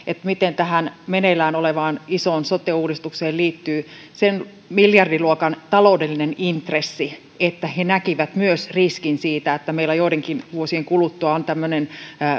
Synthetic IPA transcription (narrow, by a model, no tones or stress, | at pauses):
et̪mit̪ent̪æɦænmenelæːnoleʋɑːnisoːnsot̪euːɾist̪ukseːliːt̪ːyː | sen | miljɑrdiluokɑnt̪ɑloudelːinenint̪resːi | et̪ːæhenækiʋæt̪myøsriskinsiːt̪æet̪ːæmeilæjoiɾeŋkinʋuosieŋkulut̪ːuɑont̪æmːønenː